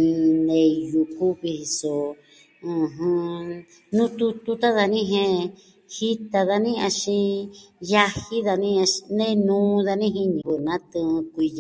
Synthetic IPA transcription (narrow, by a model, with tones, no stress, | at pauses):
ĩ˧nẽ˧˨ju˧ku˦βi˧hi˧so˨ | ɨ̃˧ɦɨ̃˧ | nũ˦t̪u˧t̪u˧t̪a˦ða˧nĩ˦ɦẽ˦˧ | hi˦t̪a˧ða˧nĩ˦a˧ʃĩ˧ja˧hi˦ða˧nĩ˦a˧nẽ˦nũː˦ða˧nĩ˦ɦi˧ɲĩ˨βɨ˧nã˦t̪ɨ̃˧kʷi˧j